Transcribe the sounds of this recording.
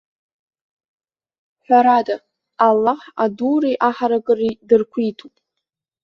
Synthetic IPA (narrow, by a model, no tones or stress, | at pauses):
ħʷᶣaɾada | alːaħaduːɾijʔaħaɾakʼɨridɨrkʷʰijtʰupʼ